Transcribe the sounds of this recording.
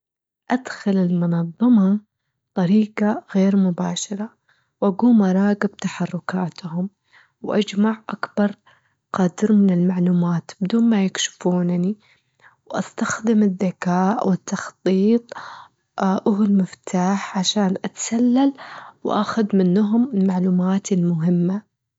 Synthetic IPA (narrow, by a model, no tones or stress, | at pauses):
ʔad̪xalɪlmʊnɑðˤːɑmɑ | t̪ˤɑɾiːqɑɣeːɾmʊbaːʃɑɾˤɑ | wʔaɡuːmɑɾˤɑːɡɪb̚t̪aħɑrˤːʊkaːt̪hʊm | wʔad͡ʒmaʕʔakbɑɾˤ | qɑd̪ɾmɪnɪlmaʕluːmaːt̪bɪd̪uːnmajɪkʃɪ̥fuːnni | wʔa̰st̪axd̪ɪmɪðːakaːʔwʔɪt̪ːɑxt̪ˤiːt̪ˤ | ʔʊɦʊlmɪft̪ʰaːħʕaʃaːnʔat̪ḁsalːalwʔa̰xʊðmɪnːɦʊmɪlmaʕluːmaːt̪ɪlmʊɦɪmːa